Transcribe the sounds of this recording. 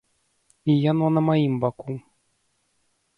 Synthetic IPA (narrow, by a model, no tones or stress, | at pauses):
ijananamaimbakum